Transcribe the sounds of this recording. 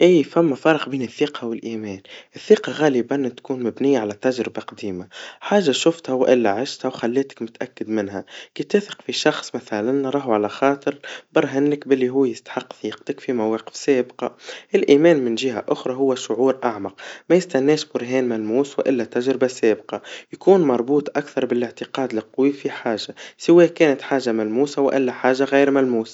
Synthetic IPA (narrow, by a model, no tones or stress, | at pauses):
ʔiːfæmːafɑːɾˤɑqbiːnɪθːiːqɑwɪlʔiːmɛːnʔɪθːiːqɑɣɑːlɪbant̪kuːnmʊbnɪjːaʕalæt̪ːaʒɾɪbaqɑd̪iːmaħaːʒːaʃʊft̪hawʔɪlːaʕaʃt̪hawxalːeːt̪ɪ̥kmʊt̪ʔakːɪd̪mɪnhækiːt̪ɪːθɪ̥qfiʃɑxsˤmaθælanːɑɾˤɑːɦʕalæxɑːt̪ˤɨɾbɑɾˤɦɪnːɪkbɪlːiɦuːjɪst̪ḁħɪqːθiːqt̪ɪkfimawɑːqɪ̥fseːbqɑ̰ʔɪlʔiːmɛːnmɪnʒɪɦæ̰ʔʊxɾˤɑɦʊwːæʃʊʕuːɾʔaʕmɑq̚mæjɪst̪ænːɛːʃbʊɾɦɛːnmælmuːswʔɪlːæt̪æʒɾɪbasɛːbqɑjkuːnmɑɾˤbuːt̪ˤʔakθɑɾˤbɪlɪʕt̪ɪqɑːd̪lɪq̪ːwifiħaːʒasɪwɛːkɛːnɪt̪ħaːʒamælmuːsawʔɪlːæħaːʒaɣiːɾmælmuːs